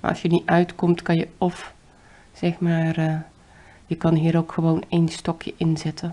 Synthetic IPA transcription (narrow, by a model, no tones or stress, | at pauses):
ma̰ʔɔ̰sjəniʔœɥtkɔmtkɑnjəɔf | z̥ɛxmaːr | jəkɑnɦiəɾowkxəʋowneːnstɔkʰjəʔɪnzɛtʰə